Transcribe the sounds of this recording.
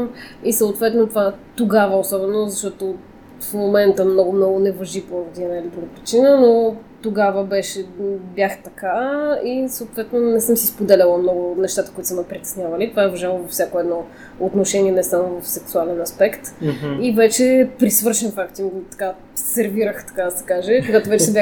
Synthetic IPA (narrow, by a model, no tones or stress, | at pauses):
isəʊt̪vɛt̪not̪vat̪oɡavəosɔbɛnozɐʃt̪ɔt̪o | fmomɛnt̪əmnɔɡʊmnɔɡʊnɛvɐʒipod̪iɛnailid̪ɾuɡəpɾit͡ʃinənot̪oɡavəbɛʃɛbʲjaxt̪ɐkaisoːt̪vɛt̪nonɛsɤmsispod̪ɛlʲəlˠəmnɔɡʊnɛʃt̪at̪ə̥koit̪səmɛpɾit̪ɛ̥snʲjavɐlit̪ovaɛvɐʒalˠəvɐfsʲakoɛd̪nɔ | ot̪noʃɛniɛnɛsamovɐfsɛksualɛnɐspɛkt̪ivɛt͡ʃɛpɾisvɤɾʃɛnfakt̪imt̪ɐ̥ka | sɛɾviɾəxt̪ɐ̥kad̪ɐsɛ̥kaʒɛkoɡat̪ovɛt͡ʃɛsɛbʲja